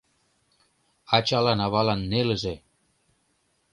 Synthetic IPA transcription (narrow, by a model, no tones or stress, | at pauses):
ɑt͡ɕɑlɑnɑβɑlɑnːelə̆ʒĕ